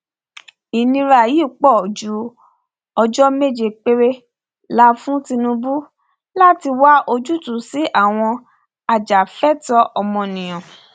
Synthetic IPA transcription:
i˨nĩ˧ɾa˨ji˨˦˨k͡pɔ˦˨o˨d͡ʒu˨˦ | ɔ˧d͡ʒɔ˦me˦˨d͡ʒe˨k͡pe˧ɾe˧ | la˦fũ˦tĩ˧nũ˧bu˦ | la˦˨ti˧wa˦ʔo˧d͡ʒu˦tũ˨˦si˨˦ʔa˦˨w̃ɔ̃˧ | a˨d͡ʒa˨fɛ˦tɔ˧˦ʔɔ˧mɔ̃˧nĩ˨j̃ɔ̃˨

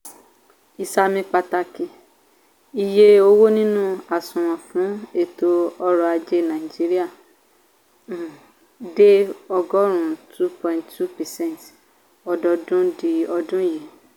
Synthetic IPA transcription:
i˧sa˧mĩ˧k͡pa˧ta˧ki˧ | i˨je˧o˧wo˦nĩ˦nũ˦a˨sũ˨w̃ɔ̃˨fũ˨˦e˦˨to˧ɔ˧ɾɔ˧a˧d͡ʒe˧nã˨i˨d͡ʒi˨˦ɾi˦a˦˨ | de˦ɔ˧ɡɔ˦ɾ̃ũ˦tu˦pɔ̃˨ĩ˨ntu˦pɛ˨sɛ̃˦nt | ɔ˧dɔ˧dũ˦di˧ɔ˧dũ˦ji˨˦

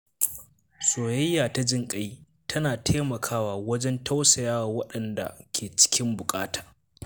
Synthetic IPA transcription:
soː˨jɐ˦jːaː˨ta˦d͡ʒɪ˦ŋkʼɐ˦j | tʰɐ˦naː˨tʰeː˦mɐ˨kʰaː˦waː˨wɐ˦d͡ʒɛ˦ntʰa˦wsɐ˨jaː˦wa˨wɐ˦ɗɐ˨nda̰˨kʲʰeː˨t͡ʃɪ̥˦kʲɪ˦mbʊ˨kʼaː˦tʰḁː˨

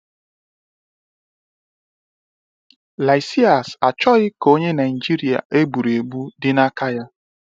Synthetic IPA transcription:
la˨jsi˦a˨sa˨t͡ʃɔ˦ɣɪ˦ko˦ɲe˦na˨ɪ˨d͡ʒi˦ɾi˨a̰˨ʔe˦ɡ͡bu˨ɾe˨ɡ͡bu˦dɪ˦na˦kʰa˦ja˦

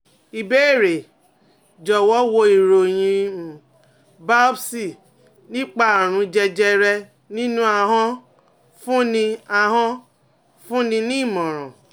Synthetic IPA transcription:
i˨be˦e˦˨ɾe˨ | d͡ʒɔ˨wɔ˨˦wo˧i˨ɾo˨j̃ĩ˧˨ | ba˦bsi˦˨ | nĩ˦k͡pa˦a˨ɾ̃ũ˨˦d͡ʒɛ˧d͡ʒɛ˧ɾɛ˧ | nĩ˦nũ˦a˧ɦɔ̃˦ | fũ˦nĩ˧a˧ɦɔ̃˦ | fũ˦nĩ˧nĩ˦˨mɔ̃˨ɾ̃ɔ̰̃˨

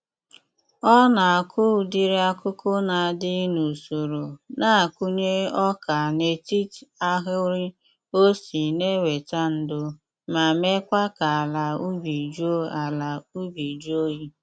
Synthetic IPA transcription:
ɔ˦na˨a˨kʰʊ˦˨di˦ɾi˦a˦kʊ˦kʊ˦na˨a˨dɪ˦nu˨so˨ɾo˨na˦a˨ku˦ɲe˦ɔ˦ka˨ne˨ti˦ta˦ɦʊ˦ɾi˦ | o˦si˨ne˦we˨ta˦n̩˦dʊ˦ | ma˨me˦kʷa˦ka˨la˨u˦bi˨d͡ʒo˦a˨la˨u˦bi˨d͡ʒo˦ji˦

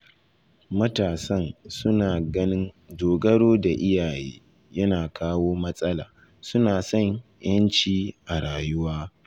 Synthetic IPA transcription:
mɐ˦taː˨sɐ˦˨nsʊ˦naː˨ɡɐ˦nɪ˦n | doː˨ɡɐ˦ɽoː˦da˨ʔɪ˦jaː˨jḛː˦ | jɐ˦naː˨kʰaː˦woː˦mɐ˦sʼɐ˦la̰ː˨ | sʊ˦naː˨sɐ˦˨ɲjɐ˦nt͡ʃiː˦ʔa˨ɽaː˨jʊ˦waː˦

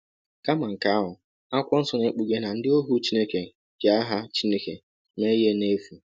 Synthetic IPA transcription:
ka˦ma˨ŋ̩˨ka˨˦a˦ɦʊ˨ | a˦kʷɔ˦n̩˦sɔ˦ne˨˦k͡pu˨ɡe˦na˨n̩˦dɪ˦o˦ɦu˦t͡ʃi˦ne˦ke˨ | ɡa˨a˦ɦa˦t͡ʃi˦ne˦ke˨ | me˦je˦ne˦fu˨

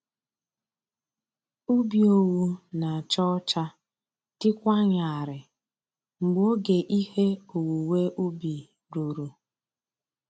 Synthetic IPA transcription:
u˦bi˨o˨wu˦na˨a˨t͡ʃɔ˦t͡ʃa˦ | tɪ˦kʷa˦ɲa˨a˨ɾɪ˨ | ŋ͡m̩˨ɡ͡bo˦ɡe˨ʔi˦he˦o˨wu˨we˦ʔu˦bi˨ | ɾu˨ɾu˨

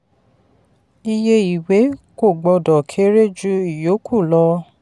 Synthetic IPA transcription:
i˧je˧i˨we˨˦ko˦˨ɡ͡bɔ˧dɔ˨kʰe˦ɾe˦d͡ʒu˦i˨jo˨˦kʰu˦˨lɔ˧

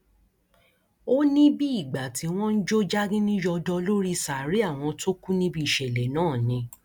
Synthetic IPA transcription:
o˦nĩ˦bi˦i˦˨ɡ͡ba˨tʰi˨˧w̃ɔ̃˦n̩˦d͡ʒo˦d͡ʒa˦ɡĩ˦nĩ˦d͡ʒɔ˧dɔ˧lo˦ɾi˦sa˨ɾi˨˦a˦˨w̃ɔ̃˧to˦ku˦nĩ˦bi˧i˨ʃɛ˨lɛ˨nãː˦˨nĩ˧

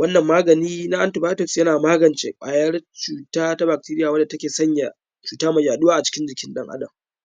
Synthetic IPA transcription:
wɐ˦nːɐ˨mːaː˦ɡɐ˨niː˦na˦ʔa˦ntɪ˨baː˦tʊ˦˨ksjɐ˦naː˨maː˦ɡɐ˨nt͡ʃe˨kʷʼaː˨jɐ˦rt͡ʃuː˨taː˦ta˦ba˨k̚ti˦ɾɪ˦jaː˨wɐ˦da˨tɐ˦kʲeː˨sɐ˦ɲja˨ | t͡ʃuː˨taː˦mɐ˨jaː˨ɗʊ˦waː˦ʔa˨t͡ʃɪ̥˦kʲɪ˦nd͡ʒɪ˨kʲɪ˦nɗɐ˦ŋʔa̰˦dɐ˨m

